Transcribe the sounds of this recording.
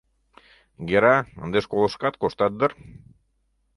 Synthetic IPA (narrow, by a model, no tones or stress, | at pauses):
ɡeɾɑə̰̆nd̪eʃkolˠə̆ʃkɑt̪̚koʃt̪ɑt̪̚d̪ɤ̆r